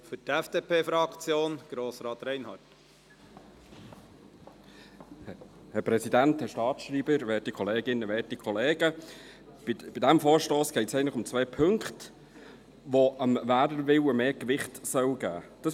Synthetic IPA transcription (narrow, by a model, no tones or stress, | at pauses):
fʏtɛfd̥eːpʰeːfɾɑkt͡sjoːnɡ̥ɾoːsɾɑːt̪ɾɛɪnhɑːt | hɛɾpɾɛsidænthɛɾʃtɑːtʃriːbəɾʋɛːtikʰɔleːɡɪnəʋɛːtikʰɔleːɡə | b̥ɪb̥ɪdæmfoːʃtoːsɡ̥ɛɪtsɛɪəntləχʊmt͡sʋɛːpʰɵŋkχt | ʋoʔəmvæːdəʋɪwəmeːkʋɪχtsœwɡ̥æ̰ːd̥ɑs